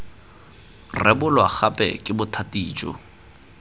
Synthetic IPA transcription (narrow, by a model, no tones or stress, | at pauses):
rɛbʊlwak͡xapʼɛ̰kʼɪbʊtʰatʼiːd͡ʒɔ̰